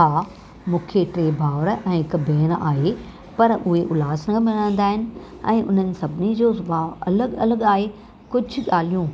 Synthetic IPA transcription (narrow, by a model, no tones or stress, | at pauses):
aː | mũːkʰeʈɾeːbʱaːʋɾɛ̃ːɪkɐbʱeːna̰ːɦe | pɐɾʊɦeʔʊlaːsənkʰãmɪɽãːnd̪aːɦɪnɪ̆ | ɛ̰̃ːʔʊ̰n̤ənɪ̆sɐbʱɪnid͡ʑoːbʱaːɐləɠɐ̰ləɠaːɦe | kʊd͡ʑʱʊ̆ɠaːl̤ijũ